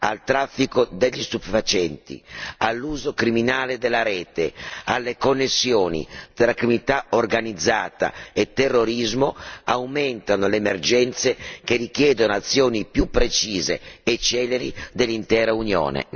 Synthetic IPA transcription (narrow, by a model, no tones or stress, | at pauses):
a̰lt̪ɾafːikod̪eʎːist̪upefat͡ʃɛnt̪ḭalːuːzokɾiminaːled̪elːaɾɛːt̪ealːekonːesːjoːnḭt̪ɾaakɾimunit̪aorɡanid̪zːaːt̪a̰et̪ːerːoɾizmoawment̪anoleːmerd͡ʒɛnt̪sekerikjɛːd̪onoat̪sːjoːnipjupːɾet͡ʃiːzḛet͡ʃːɛːleɾid̪elːint̪ɛːɾaunjo̰ːnḛ